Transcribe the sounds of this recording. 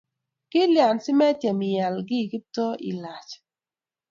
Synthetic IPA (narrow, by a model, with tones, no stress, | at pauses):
kɪ˦lja˨nsɪ˦mɛ˦tjɛ˨mɪ˨ja˨lɡɪ˦˨kɪ˦tɔ˦ʔḭ˨la˨t͡ʃ